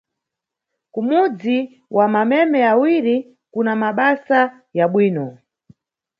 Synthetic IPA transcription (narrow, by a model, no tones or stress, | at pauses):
kumud͡zi | wʔamamɛmɛawiɾi | kunamaɓasa | jaɓwiːnɔ